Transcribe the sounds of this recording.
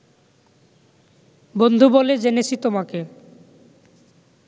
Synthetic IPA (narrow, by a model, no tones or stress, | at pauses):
bond̪ʱuboled͡ʑenet͡ɕʰit̪omake